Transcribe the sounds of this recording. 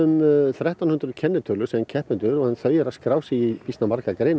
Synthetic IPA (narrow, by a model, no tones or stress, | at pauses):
ʏmθɾɛht̪awnhʏnt̪ɾʏcʰɛnːɪt̪ʰœlʏsɛncʰɛhpʏnt̪ʏɾɔɣhanθœːɥjɛɾaskɾaːwsɛipist̪namaɾkakɾeːjn